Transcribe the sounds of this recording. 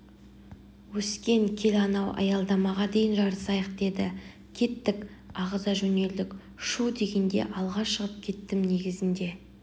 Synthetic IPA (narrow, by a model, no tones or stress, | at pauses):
wɵskʲe̞ŋkʲʰe̞lɑnɑwʔɑ̰jɑlˠd̪ɑmɑʁɑd̪e̞jɪnʒɑɾəsɑjəq̚d̪e̞d̪ɪ | kʲʰe̞t̪ːɪkʲɑʁəzɑʒɵne̞ld̪ɪk | ʃud̪e̞ɡʲe̞nd̪e̞̰ʔɑlˠʁɑʃəʁəp̚kʲʰe̞t̪ːɪmne̞ɡʲɪzɪnd̪e̞